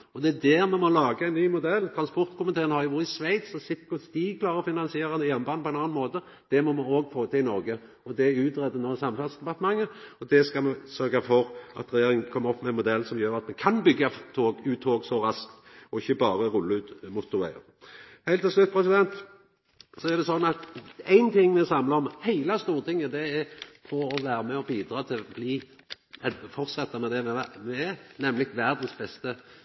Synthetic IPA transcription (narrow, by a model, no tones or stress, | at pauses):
ɔd̪ɛæd̪æːɾmɛmɔlɑːɡəæɪnnyːmʊd̪ɛlːt̪ʰɾɑnspɔɾt̪kʊmɪt̪ʰeːɾənəhɑɾjʊʋʊːɾɪsʋæɪt̪sɔsɪt̪kʊst̪iːɡkʰlɑːɾʁəɔfɪnɑnsɪeːɾəd̪ɛjɛnbɑːnpɔɛnɑːnmoːt̪ə | d̪̥ɛmɔmɛoːɡfoːt̪ʰɪlɪnɔɾɡə | ɔd̪ɛʉːt̪ɾɛd̪ənoːsɑmfæd̪sd̪ɛpɑʁt̪əmɑŋːəɔd̪ɛskɑmɛsœʁɡɑfɔɾʔɑ̰t̪ɾɛjeːɾɪŋkʰɔmːəɔpːmɛɛnmʊd̪ɛlːsɔmjøːɾɑt̪mɛkʰɑnbʏɡːɑft̪ʰoːɡʉːt̪ʰoːɡsɔɾɑskt̪ɔɪçːəbɑːɾəɾʊlːəʉːt̪mʊt̪ːʊʋæɪə̰ʁ | hæɪt̪ʰːɪlslʉt̪̚ːpʰɾɛsɪd̪ɛnt̪ | sɔæʁd̪ɛsɔnːɑt̪æɪnt̪ʰɪŋːmɛsɑmləɔmhæɪlɑst̪uːɾət̪ʰɪŋːəd̪ɛæfʰɔɔʋæːɾəmɛɔbiːd̪ɾɑːt̪ʰɪlbliː | ɛfɔɾt̪sɛt̪ːəmɛd̪ɛmɛæmɛnɛmlɪɡʋæɾd̪ən̩sbɛst̪ə